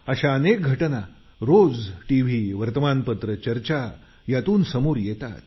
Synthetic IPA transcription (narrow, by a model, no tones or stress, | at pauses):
əɕaənek̚ɡʱəʈəna | ɾod͡zʈiʋ̤iʋəɾt̪əmanpət̪ɾət͡ɕəɾt͡ɕa | jat̪uːnsəmoːɾjɛt̪a̰t̪̚